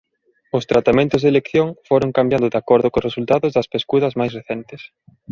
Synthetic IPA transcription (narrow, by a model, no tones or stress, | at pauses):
ʊst̪ɾat̪amẽnt̪ʊzðelekθjoŋfoɾʊŋkambjand̪ʊðakoɾðʊkʊsresult̪aðʊzðɐspeskuðɐzmajsreθent̪ɪs